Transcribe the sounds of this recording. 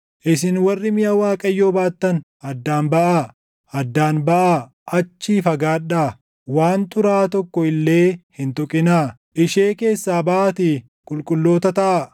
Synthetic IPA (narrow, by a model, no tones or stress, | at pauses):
ʔɪsɪnwɐrːɪmɪjɐwaːkʼɐjːo̞ːbaːt̪ːɐn | ɐd̪ːaːnbɐʔa | ɐd̪ːaːnbɐʔaː | ʔɐt͡ʃːiːfɐɡaːᶑaː | waːnt̪ʊɾaːt̪ɔkːɔɪlːe̞ːhɪnt̪ɔkʼɪnaː | ʔɪʃe̞ːke̞ːsːaːbɐʔat̪ɪ | kʼʊlkʼʊlːo̞ːt̪ɐt̪ɐʔa